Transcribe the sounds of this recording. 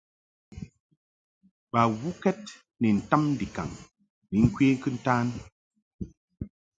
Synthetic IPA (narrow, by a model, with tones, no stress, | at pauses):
ba˨wu˦kɛ˦t̚ | ni˨n̩˨ta˦mn̩˦di˨ka̰˨ŋ | ni˨˦ŋ̩˦kɥeː˦ŋ̩˦kɨ˦n̩˦taː˦n